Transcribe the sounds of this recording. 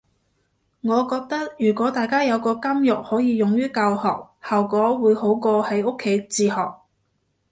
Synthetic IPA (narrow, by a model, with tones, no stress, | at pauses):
ŋɔː˨˧kɔː˧k̚t̪ɐ˥k̚jyː˨˩kʷɔː˨˥t̪aː˨˩jkaː˥jɐ˨˧wkɔː˧kɐ˥mjʊ˨k̚hɔː˨˥jiː˨˧jʊ˨ŋjyː˥kɐ˧whɔ̰ː˨k̚hɐ˨wkɔː˨˥wuː˨˧jho˨˥wkɔː˧hɐ˨˥jʊ˥kʰːe˨˥jt͡siː˧hɔː˨k̚